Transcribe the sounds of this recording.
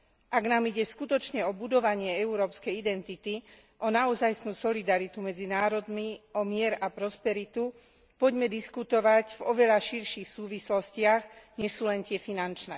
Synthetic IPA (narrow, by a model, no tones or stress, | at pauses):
ʔaɡnaːmiɟɛskut̪ɔt͡ʃɲɛɔbud̪ɔʋaɲɪɛɛuɾɔːpskɛjid̪ɛnt̪it̪i | ʔɔnaɔzajsnuːsɔlid̪aɾit̪umɛd͡zinaːɾɔd̪miɔmɪɛɾapɾɔspɛɾit̪u | pɔɟmɛd̪iskut̪ɔʋaɟvɔʋɛʎaʃiɾʃixsuːʋislɔscɪaɣɲɛʃsuːlɛnt̪ɪɛfinant͡ʃnɛː